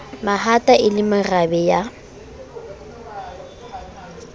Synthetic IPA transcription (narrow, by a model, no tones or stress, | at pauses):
maɦatʼaʔɪlɪmɪrabɛja